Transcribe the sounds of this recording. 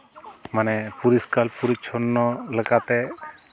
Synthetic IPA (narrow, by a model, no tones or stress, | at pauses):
manɛpuɾiskalpuɾit͡ʃʰɔnːɔlɛkat̪ɛ